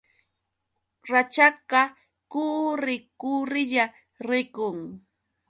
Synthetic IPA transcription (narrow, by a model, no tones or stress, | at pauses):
ɾat͡ʃakɑ | kuɾɪkʊɾɪʎa | ɾɪkʊŋ